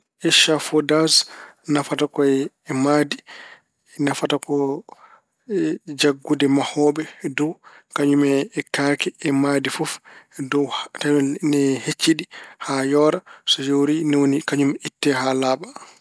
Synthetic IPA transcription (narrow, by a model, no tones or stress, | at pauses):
ʔɛʃafɔdasnafatakɔɛ | ɛmadi | nafatakɔ | d͡ʒaɡːudɛmahɔːɓɛdɔw | kaɲumɛːkaːkɛːmadifufdɔtanɛhet͡ʃːiɗihajɔːɾasɔjowɾinɛwonikaɲumitːɛɦalaːɓa